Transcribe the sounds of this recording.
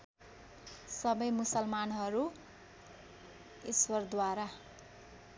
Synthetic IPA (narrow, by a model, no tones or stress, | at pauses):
sʌbʌjmusʌlmanɦʌɾu | iswʌrd̪waɾa